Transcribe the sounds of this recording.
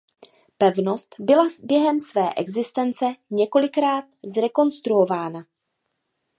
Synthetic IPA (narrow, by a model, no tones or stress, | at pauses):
pɛvno̞st̪bɪlabjɛɦɛmsvɛːʔɛɡzɪst̪ɛnt͡sɛɲɛko̞lɪkɾaːt̪zɾɛko̞nst̪ɾuovaːna